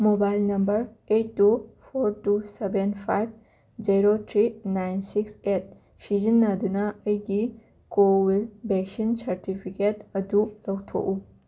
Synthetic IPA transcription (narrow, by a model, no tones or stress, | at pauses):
mobajlnɐmbɐɾ | etːupʰoɾtusebenpʰajb̚ | d͡ʒiɾotʰɾinajnsikset̚ | sizinːadunɐːjɡi | kowilbeksinsɐɾtipʰiketɐdulɔwt̪ʰo̰ʔu